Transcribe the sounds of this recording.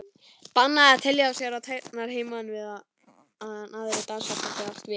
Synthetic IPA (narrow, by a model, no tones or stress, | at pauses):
panːaðat̪ʰɪljaawsjɛɾat̪ʰajt̪naɾ̥heːjmaðnvɪðað | naðɪɾɪt̪ansvat̪at̪ɪvast̪vɪ